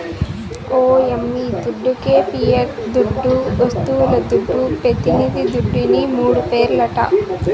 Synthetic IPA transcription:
oːemːid̪uɖːukeːpiːeɾd̪uɖːuɐst̪uʋulɐd̪uɖːupɾet̪inid̪id̪uɖːinimuːɽupeːɾlɐʈɐ̰

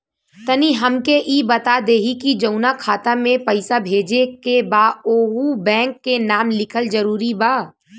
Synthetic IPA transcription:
t̪ɐniɦɐmkeʔiːbɐt̪ad̪eːɦikid͡ʒəʊnakʰaːt̪amẽpɐɪsabʱeːd͡ʒekebaːoːɦubɛ̃ːŋkːenaːmlɪkʰəld͡ʒəɾuːɾibaː

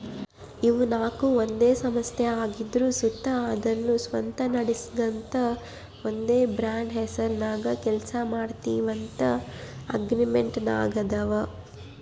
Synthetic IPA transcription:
iʋunaːkuond̪eːsɐmɐst̪jɐaːɡid̪ɾuːsut̪ːɐːd̪ɐnːusʋɐ̰nt̪ɐnɐɽisid̪ɐnt̪ɐ | ond̪eːbɾaːɳɖɦɛsɐɾnaːɡɐkɛlsɐmaːɽt̪iːʋɐnt̪ɐɐ̰ɡɾimeɳʈna̰ːɡɐd̪ɐʋɐ

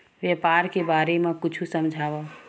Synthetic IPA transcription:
ʋjepaːɾkebaːɾemãkʊt͡ʃʰusəmd͡ʒʱaːʋa

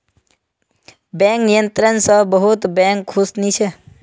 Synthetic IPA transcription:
bɛ̃ŋknijə̃nt̪ɾənsəbəɦut̪bɛ̃ŋkʰːusnit͡ʃʰɛ

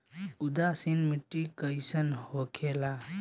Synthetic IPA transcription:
ud̪asinmiʈːikəjsənhokʰela

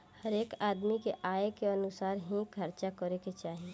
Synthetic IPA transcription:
həɾeːkaːd̪mikeʔaːekeɐnʊsaːɾɦĩkʰɐɾt͡ʃakəɾeket͡ʃaːɦie

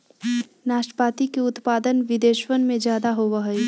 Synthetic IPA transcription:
naːʃʈə̥paːt̪ikeʊt̪paːd̪ənʋɪd̪eːʃwənmẽd͡ʒjaːd̪aɦoʋaɦəi

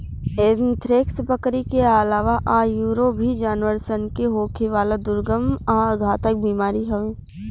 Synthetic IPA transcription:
eːnt̪ʰɾeːkspəkɾikeəlaːʋaʔaːjuːɾobʱid͡ʒaːnʋəɾsənkeɦoːkʰeʋaːlad̪ʊɾɡəmaəɡʱaːt̪ək̚biːmaːɾiɦɐʋeː

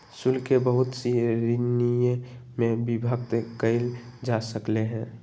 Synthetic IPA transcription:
sʊlkebəɦʊt̪siɾinijmẽbibʱək̚t̪kəɪld͡ʒasəkleɦɛ̃ː

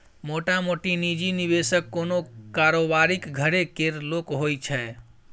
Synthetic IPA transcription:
moʈamoʈinid͡ʒiniβesəkːonokaɾobaɾikɡʱəɾekeɾlokɦojt͡ʃʰɛ

